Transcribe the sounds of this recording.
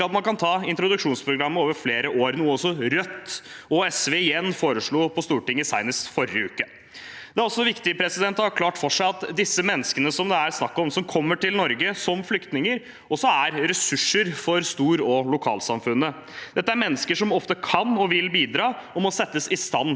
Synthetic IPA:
ɑt̪mɑnkʰɑnt̪ʰɑːɪnt̪ɾʊd̪ʉkʂuːnspʰɾʊɡɾɑmːəoːʋəɾfleːɾəʔoːɾnuːəɔsɔɾœt̪ːɔɛsʋeːɪjɛnːfoːɾəʂɭuːpʰɔst̪uːʈɪŋːəsæɪnəsfɔɾɪəʉ̰ːkə | d̪̥ɛæɾɔsːɔʋɪkt̪ɪəpʰɾɛsɪd̪ɛnt̪ːhɑɾkʰlɑːʈfɔʂæɪɑt̪d̪ɪsːəmɛnːəskənəsɔmd̪ɛæɾsnɑkːɔmsɔmkʰɔmːəʈɪlnɔɾɡəsɔmflʏkt̪nɪŋəɾ | ɔsːɔæɾɾɛsʉʂːəɾfɔɾst̪uːɾɔlʊkʰɑ̰ːlsɑmfʉnːə | d̪̥ɛt̪ːəæɾmɛnːəskəʂɔmɔft̪əkʰɑnɔʋɪlbiːd̪ɾɑːɔmɔsɛt̪ːəsɪst̪ɑnː

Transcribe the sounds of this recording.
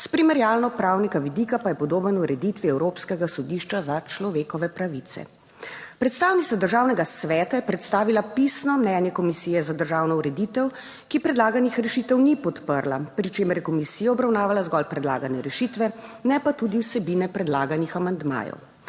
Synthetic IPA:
spɾimɛɾjaːlnɔpɾaːwnikaʋid̪ikapajɛpɔd̪oːbənuɾɛd̪it̪ʋiɛwɾoːpskɛɡasɔd̪iʃt͡ʃazat͡ʃlɔʋeːkɔʋɛpɾaʋit̪sɛ̰ | pɾɛt̪st̪aːwnit̪sad̪əɾʒaːwnɛɡasʋɛːt̪ajɛpɾɛt̪st̪aːʋilapisnɔmnɛnjɛkɔmisiːjɛzad̪əɾʒaːwnɔuɾɛd̪it̪ɛw | kipɾɛd̪laːɡanixɾɛʃit̪ɛwnipɔt̪pəɾlapɾit͡ʃeːməɾjɛkɔmisiːjaɔbɾawnaːʋalazɡɔlpɾɛd̪la̰ːɡanɛɾɛʃit̪ʋɛnɛpat̪ud̪iwsɛbinɛpɾɛd̪laːɡanixamand̪ma̰ːjɔ̰w

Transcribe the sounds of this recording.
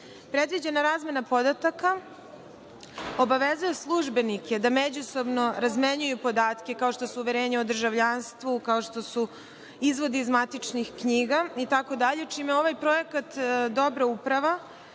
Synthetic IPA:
pɾe̞d̪ʋid͡ʑe̞naɾaːzme̞napo̞d̪at̪aka | o̞baʋezujeslˠuʒbe̞nike̞d̪amed͡ʑuso̞bno̞ɾazmeɲujupo̞d̪aːt̪ke̞kao̞ʃt̪o̞suuʋeɾe̞ːɲeod̪r̩ʒaʋʎaːnst̪ʋukaoʃt̪o̞su | izʋo̞d̪iːzmat̪it͡ʂnixkɲiːɡait̪ako̞d̪aʎet͡ʃiːmeo̞ʋajpɾo̞jekat̪d̪o̞bɾaupɾaʋa

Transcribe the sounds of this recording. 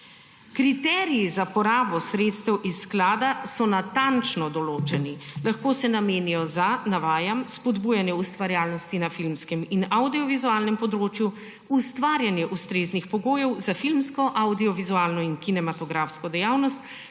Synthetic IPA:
kɾit̪ɛɾiizapɔɾaːbɔsɾeːt̪st̪ɛwʔisːklaːd̪asɔnat̪ant͡ʃnɔd̪ɔloːt͡ʃɛnilaxkoːsɛnameːnijɔzanaʋaːjamspɔd̪buːjanjɛust̪ʋaɾjaːlnɔst̪inafilmskɛminawd̪iɔʋizuaːlnɛmpɔd̪ɾoːt͡ʃju | ust̪ʋaːɾjanjɛʔust̪ɾeːznixpɔɡoːjɛwzafilmskɔʔawd̪iɔʋizuaːlnɔinkinɛmat̪ɔɡɾafskɔd̪ɛjaːwnɔst̪

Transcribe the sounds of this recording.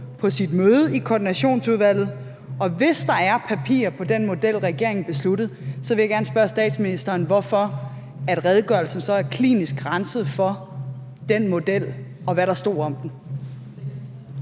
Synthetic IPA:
pʰɒ̽sid̥møːð̞ˠəikʰɒːd̥inæɕo̝̰ːnsuð̞ˠʋæl̰ð̩ˠ | ɒ̽ʋe̝sd̥ɑ̈æɐpʰæpʰḭːɐpʰɒ̽d̥enmo̝d̥el̰ʁɛɡ̥e̝̰ɐ̰e̝ŋn̩b̥e̝slud̥ð̞̩ˠsɒ̽ʋe̝jäɡ̥æɐnəsb̥ɶɐsd̥ɛ̰ːd̥sminisd̥ɐːnʋɒfɒ̽ | æd̥ʁɛð̞ˠɡ̥ɶɐlsn̩sɒ̽æɐkʰlḭːnisɡ̥ʁɑnsəð̩ˠfɒ̽ | d̥enmo̝d̥el̰ | ɒ̽ʋæɾɑ̈sd̥ɒ̰ːɒ̽md̥n̩

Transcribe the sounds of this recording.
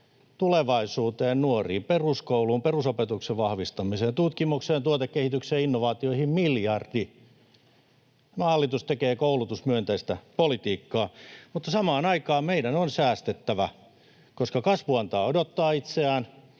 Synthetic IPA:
t̪uleʋɑisuːt̪eːnnuorḭːmperuskouluːmperusopet̪ukseʋʋɑhʋist̪ɑmiseːnt̪ut̪kimukseːnt̪uot̪ekkːehit̪ykseːinːoʋɑːt̪ioihimmiljɑrd̥i | mɑhɑlːit̪ust̪ekeːkoulut̪usmyønt̪æist̪æpolit̪iːkːɑːmut̪ːɑsɑmɑːnɑikɑːmmeidænonsæːst̪et̪ːæʋæ | koskɑkɑsʋuɑnt̪ɑːodot̪ːɑːit̪seæːn

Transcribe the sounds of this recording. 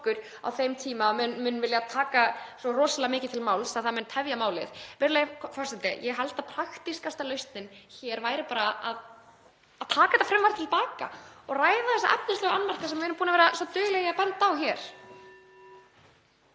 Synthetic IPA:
kʏɾ̥ | a̰wθejmt̪ʰiːmamʏnmʏnːvɪljat̪ʰaːkasɔrɔːsalaamɪːcɪ̥t̪ʰɪlmaːwlsaðθamɛnt̪ʰɛvjamaːwlɪðvɛɾleːjakʰfɔrsɛnt̪ɪ̰jɛɣɦalt̪apʰɾaxt̪iskast̪alœɥst̪nɪnçɛːɾvaːjɾɪpaːɾaað | aðt̪ʰaːkahɛt̪afɾɛmvaɾ̥t̪ʰɪlpaːka̰ɔɣraːjðaθɛsaʔap̚nɪnslœːɣaanːmar̥kasɛmvɪvɪːɾʏmpuːnavɛːɾasɔt̪œɥɣlɛɣjapɛnt̪aːwçɛɾ̥

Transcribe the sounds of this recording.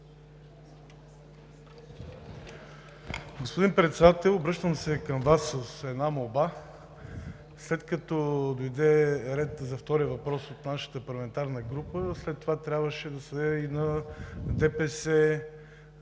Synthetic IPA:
ɡospod̪inpɾɛt̪sɛd̪at̪ɛlˠobɾɤʃt̪əmsɛkəmvasːəsɛd̪namoba | slɛt̪kɐt̪ɔd̪ojd̪ɛɾɛt̪zɐft̪ɔɾiəvɐpɾɔsot̪naʃə̥t̪əpɐɾlˠɐmɛnt̪aɾnəɡɾupəslɛt̪ːovat̪ɾʲabvəʃɛd̪ɐsɐd̪ɛinɐd̪ɛpɛsɛ

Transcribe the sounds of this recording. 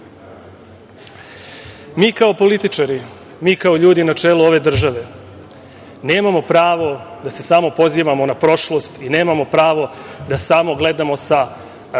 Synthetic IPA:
miːkao̞po̞lit̪it͡ʂaɾi | miːkao̞ʎuːd̪inat͡ʃeːluo̞ʋe̞d̪r̩ʒaʋe̞ | ne̞ːmamo̞pɾaːʋo̞d̪ase̞samo̞po̞ziʋamo̞napɾo̞ʃlˠo̞st̪ine̞ːmamo̞pɾaːʋo̞d̪asamo̞ɡle̞d̪amo̞sa

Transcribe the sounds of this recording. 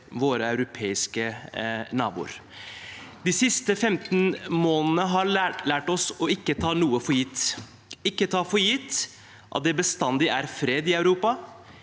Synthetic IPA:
ʋoːɾəɑʉɾʊpʰeːɪskənɑːbṵːɾ | d̪ɪsɪst̪əfɛmt̪nmoːnən̩əɦɑlæːʈɔsɔɪkːət̪ʰɑːnuːəfɔɾjɪt̪ː | ɪkːət̪ʰɑːfɔɾjɪt̪ː | ʔɑ̰t̪̚d̪ɛbəst̪ɑnd̪ɪʔæɾfɾeːd̪ɪɑʉɾuːpɑ

